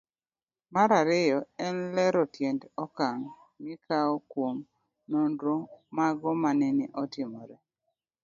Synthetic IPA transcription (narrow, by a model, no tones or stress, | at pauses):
maɾaɾɪjɔɛnlɛɾɔtjendɔkaŋ | mɪkaɔkwom | nondɾomaɡɔmanɛnɪʔɔtɪmɔɾɛ